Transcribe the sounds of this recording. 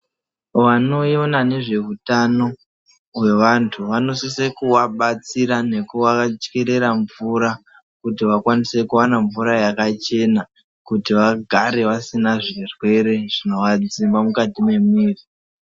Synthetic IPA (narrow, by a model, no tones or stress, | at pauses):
ʋano̞jo̞nane̞ʐe̞utano̞ | we̞ʋantʰuʋano̞sisekuwaɓat͡siɾane̞kuʋakat͡ʃkeɾe̞ɾaɱvuɾa | kutiʋakwanise̞kuwanaɱvuɾajakat͡ʃe̞na | kutiʋaɡʱaɾe̞ʋasinaʐirwe̞ɾe̞ʐ̥ino̞ʋad͡zimbamukatime̞miːri